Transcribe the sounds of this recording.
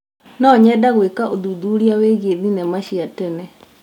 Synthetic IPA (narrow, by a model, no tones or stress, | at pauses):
nɔɲɛdaɣwekaʔoðuðuɾiaweɣeðinɛmaʃiatɛnɛ